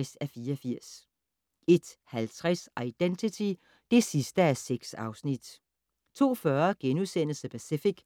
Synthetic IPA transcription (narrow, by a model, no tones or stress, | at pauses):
sæfiːɐɒfiɐ̰s | e̝d̥hælt͡sʰʁɛsʔɑ̈ɪd̥ent͡sʰit͡sʰi | d̥e̝sisd̥əæseɡ̥sɑ̈ʊsnid̥ | t͡sʰo̝̰ːfɶɐɡ̥enuðˠsen̰l̩səpʰæsifiɡ̥